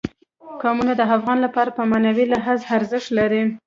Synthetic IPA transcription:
ɡɑmunad̪əafɣɑnlapɑɾapəmanawilaɦazaɾzɪʃt̪laɾi

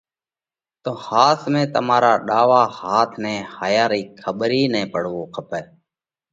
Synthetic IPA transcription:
t̪oːhaːt̪ʰmẽːt̪əmaːɾaːɗaːʋaːhaːt̪ʰnɛ̃ːhaːjaːɾiːkʰəɓɾiːnɛ̃ːpəɽʋoːkʰəpɛː

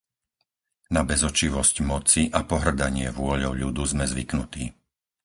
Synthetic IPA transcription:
nabɛzɔt͡ʃiʋɔscmɔt͡siʔapɔɦr̩d̪aɲɪɛ̰ʋʊɔʎɔʊʎud̪uzmɛzʋḭknut̪ḭː

